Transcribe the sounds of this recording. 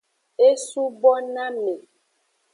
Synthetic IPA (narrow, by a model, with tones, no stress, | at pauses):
e˦su˦bɔ˦nã˦me˨